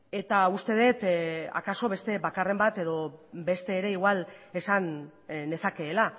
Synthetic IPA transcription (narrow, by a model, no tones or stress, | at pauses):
e̞t̪aust̪e̞ð̞e̞t̪a̰kaso̞βe̞st̪e̞βakare̞mbat̪e̞ðo̞be̞st̪e̞ːɾe̞iɣwale̞sane̞sake̞ːla